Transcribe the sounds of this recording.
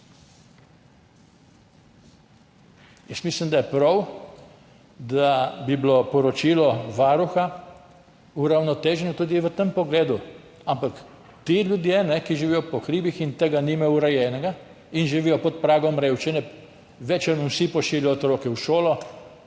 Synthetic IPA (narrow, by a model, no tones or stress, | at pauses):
jəsmislimd̪ajɛpɾɔw | d̪abiblopɔɾɔt͡ʃiːlɔʋaːɾuxa | uɾawnɔt̪eːʒɛnɔt̪uːd̪iʋət̪əmpɔɡleːd̪u | ampak | t̪iljud̪jenɛkiʒiʋijɔpɔkɾiːbixint̪eːɡanimɛuɾɛjɛːnɛɡa | inʒiʋiːjɔpɔt̪̚pɾaːɡɔmɾewt͡ʃɛnɛ | ʋɛt͡ʃɛnuwsipɔʃiːljɔɔt̪ɾɔːkɛwʃoːlɔ